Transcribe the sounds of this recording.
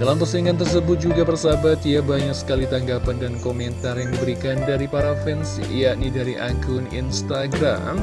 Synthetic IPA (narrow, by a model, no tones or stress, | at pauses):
dalampəsəiŋant̪̬ərs̬əbʊt̪̚d͡ʒuɡapərsabat̪ijabaɲaksə̥kalit̪aŋɡapandankomɛnt̪arjaŋdibəɾikandaɾipaɾafɛnsjaʔnidaɾiʔa̰ɡʊnḭnst̪aɡɾa̰m